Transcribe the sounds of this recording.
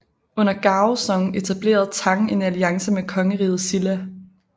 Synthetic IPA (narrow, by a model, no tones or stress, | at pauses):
ɔ̽n̰ɐɡ̥ɑ̈ːʊsɒ̽ŋ̩e̝t͡sʰæb̥le̝̰ːɐð̞̩ˠt͡sʰɑ̈ŋe̝næliɑ̈ŋsəmekʰɒ̽ŋəʁḭːð̞̩ˠsilæ